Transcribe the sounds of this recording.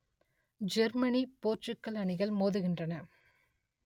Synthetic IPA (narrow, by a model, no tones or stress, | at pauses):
d͡ʒɛɾmɐnipoːrt͡ʃɯkːɐlɐɳɪɣɐɭmoːðɯɣɪndrɐnɐ